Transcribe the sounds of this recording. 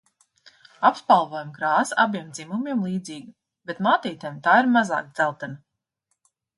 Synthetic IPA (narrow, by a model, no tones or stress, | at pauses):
apspalˠvɔːjamkɾaːsabʲiɛmd̪zimumʲiɛmlˠiːd̪ziːɡi | bet̪maːt̪iːt̪ɛjmt̪aːiɾmaza̰ːk̪̚z̥ælˠt̪ɛna